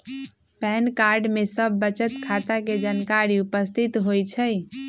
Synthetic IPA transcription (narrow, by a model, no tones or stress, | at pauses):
pɛnkaɾɖmesəbːət͡ʃət̪kʰat̪aked͡ʒənkaɾiupəst̪ʰit̪ɦojt͡ʃʰəj